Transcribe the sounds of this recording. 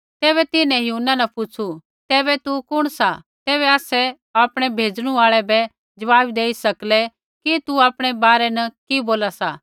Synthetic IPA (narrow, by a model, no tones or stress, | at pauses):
t̪ɛːβɛt̪ɪnɛ̃juːnːanɐpʊt͡ʃʰu | t̪ɛːbɛt̪ukʊɽ̃sa | t̪ɛːβɛaːsɛ | aːpɽ̃ɛbʱeːd͡ʒɽ̃ũaːɭɛbɛ | d͡ʒɐʋaːbd̪eːisɐklɛ | kit̪uaːpɽ̃ɛbaːɾɛnɐkiboːlasaː